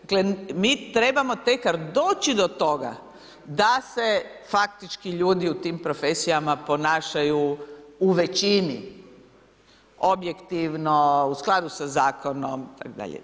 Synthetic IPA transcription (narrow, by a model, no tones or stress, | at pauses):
klemiːt̪ɾe̞bamot̪ekaɾd̪o̞ːt͡ʃid̪o̞t̪o̞ɡa̰ | d̪asefak̚t̪it͡ʃkiʎuːd̪iut̪iːmpɾo̞fesijamapo̞naːʃajuuʋe̞t͡ʃinḭ | objekt̪iʋnousklˠad̪usazaːkʰonomit̪a̰kod̪a̰ʎḛ